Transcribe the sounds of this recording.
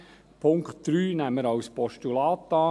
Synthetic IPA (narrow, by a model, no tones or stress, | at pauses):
pʰʊŋktd̥ɾyːnæmːəɾɑwspɔʃtulɑːt̪ːɑː